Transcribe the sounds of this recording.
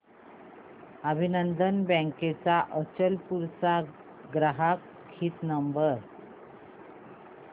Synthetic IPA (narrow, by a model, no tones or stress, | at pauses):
əbʱinənd̪ənbə̃ŋket͡saʔət͡ɕəlpuɾsa | ɡɾaɦakʰː | iːt̪nəmbəɾ